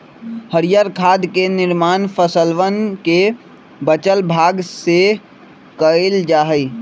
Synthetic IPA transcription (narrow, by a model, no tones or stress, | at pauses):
həɾijaːɾkʰaːd̪kenɪɾmaːnpʰəsəlʋənke | bət͡ʃəlbʱaːɡse | kəeld͡ʒaːɦəi